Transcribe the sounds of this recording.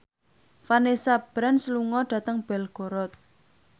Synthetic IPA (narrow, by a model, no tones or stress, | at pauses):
fanesab̥ɾansluŋɔɖ̥ä̤t̪əŋb̥ɛlɡ̥o̤ɾɔt̪̚